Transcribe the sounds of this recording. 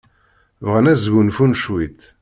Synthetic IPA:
vʁənæzɡunfunʃwit̪

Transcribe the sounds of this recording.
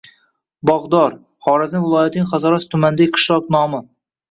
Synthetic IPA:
bɑʁd̪ɑɾ | χɑːɾazɪvɨlˠɑːjɛt̪ʰɪnɪŋʲχæzɑɾɑst̪ʰʊmænd̪aɡʲɪqʰɨ̥ʃlˠɑknɑːmɨ

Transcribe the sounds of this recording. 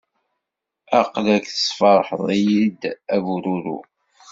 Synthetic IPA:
ɑqlækθə̥sˤfɑɾˤħə̰ðˤijid̪ævuɾuɾṵ

